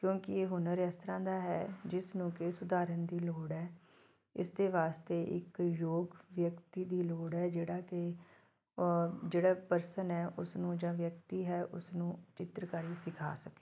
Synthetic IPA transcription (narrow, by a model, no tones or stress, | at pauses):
kjõːkɪeːɦʊnəɾɛst̪ɾãːd̪aːɦɛ̰ːd͡ʒɪsnũːkesʊd̪aːɾənd̪iːloːɽɦɛː | ɪ̰sd̪eːʋaːst̪eːʔɪ̰kjoːɡʋjəkt̪iːd̪iːloːɽɛːd͡ʒeːɽaːke | d͡ʒeːɽaːpəɾsənɦɛːʔʊsnũːd͡ʒãːʋjək̚t̪iːɦɛːʔʊ̰snũːt͡ʃɪt̪ɾəkaːɾiːsɪkʰa̰ːsəke̥ː